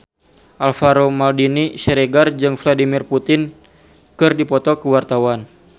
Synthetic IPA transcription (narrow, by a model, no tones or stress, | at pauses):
ʔalfaɾomaldiniʃɛɾɛɡard͡ʒɨŋfladimirput̪ɪn | kɨrdipɔt̪ɔkəwart̪awan